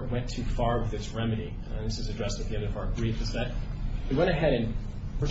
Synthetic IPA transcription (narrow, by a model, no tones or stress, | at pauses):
wɛ̃ntʰʉfɑɹwɨðɨtsɹɛmɨɾĩ | nðɪsɨzɨdɹɛstɨt̪̚ðiɛ̃ndʌvɑɡɹifɨzðɨt̚ɨwɛ̃ɾ̃ɨɦɛɾɨ̃n | pʰə˞